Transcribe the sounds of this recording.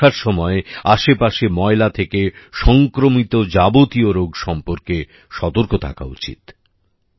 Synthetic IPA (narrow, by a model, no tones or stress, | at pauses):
aɾʃɔmɔeaʃepaʃemɔelat̪ʰekeʃɔŋkɾomit̪od͡ʑabot̪ioɾoɡʃɔmpoɾke | ʃɔt̪oɾkot̪ʰa̰kʰa̰ut͡ɕḭt̪